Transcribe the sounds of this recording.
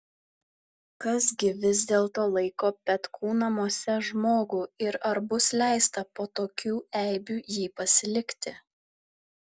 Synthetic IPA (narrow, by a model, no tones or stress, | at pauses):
kɐsɡʲɪʋʲɪzʲd̪ʲeːlˠt̪oːlˠɐɪkoːpʲɛt̪kʰuːnɐmoːsʲɛʒmoːɡuːɪɾɐɾbʊslʲæˑɪst̪ɐpoːt̪oːkʲuːɛˑɪbʲuːjiːpɐsʲɪlʲɪkʲt̪ʲɪ